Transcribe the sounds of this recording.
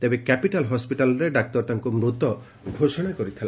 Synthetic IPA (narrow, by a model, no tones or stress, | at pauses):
t̪ebekɛpiʈalɦɔspiʈalɔɾeɖak̚t̪ɔɾt̪ʰaŋkumɾut̪ɔ | ɡʱoʃɔɽ̃akɔɾit̪ʰila